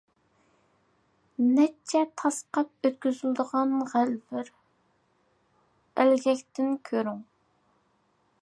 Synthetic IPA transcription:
nɛt͡ʃʰɛt̪ʰɑsqɑp̚øt̪kʲyzyld̪əʁɑnʁælvɪɾ | ælɡʲɛkʲt̪ɪnkʲʰøɾyŋ

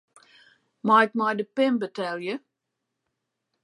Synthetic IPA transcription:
majk̚majdəpɪmbətɛlˠjə

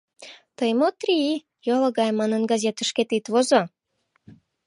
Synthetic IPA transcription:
t̪əjmot̪ri | jolɤɡɑjmɑnənɡɑzʲet̪ə̆ʃket̪it̪βozo

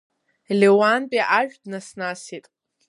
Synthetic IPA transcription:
lʲewanpʼiʔaʒᶣdnasnasitʼ

